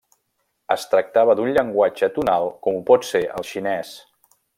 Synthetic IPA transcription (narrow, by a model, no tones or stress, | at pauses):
əst̪ɾək̚t̪aβəðunʎəŋɡwad͡ʒət̪unalˠkɔmupɔt̪seʔə̰lˠʃinɛs